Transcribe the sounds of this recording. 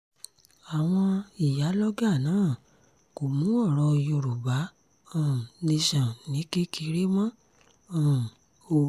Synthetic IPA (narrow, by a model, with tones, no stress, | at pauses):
a˨w̃ɔ̃˧i˨ja˨˦lɔ˦ɡa˦˨nãː˦˨ | ko˨mũ˨˦ɔ˦˨ɾɔ˧jo˧ɾu˨ba˨˦ | ã˦˨ne˧ʃɔ̃˨nĩ˨˦ke˦ki˧ɾe˦mɔ̃˦˨ | o˧